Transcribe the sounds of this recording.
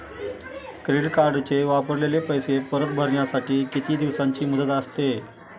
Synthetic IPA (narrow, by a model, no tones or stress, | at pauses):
kɾiɽkaɾɖt͡ɕeʋapəɾlelepəjsepəɾət̪̚bʱəɾɳjasaʈiːkit̪iːd̪iʋsãɲt͡ɕiːmud̪ət̪əst̪e